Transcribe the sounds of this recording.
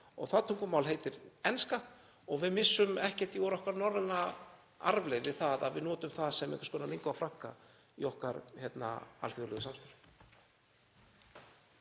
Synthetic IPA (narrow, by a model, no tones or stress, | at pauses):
ɔ̰ɣθaðt̪ʰuŋkʏmaːwlɦeːjt̪ɪɾɛnska | ɔɣvɪðmɪsːʏmɛhcɛht̪iɔɾɔhkvaɾnɔɾðɛna | a̰ɾvlejðɪθaða̰ðvɪðnɔːt̪ʏmθaðsɛmɛ̰k̪ḁkɔːnaleŋkvafɾaŋ̥ka̰ | iɔhkaɾçɛt̪na̰a̰lθjɔɾlːðʏsamst̪alʏ̥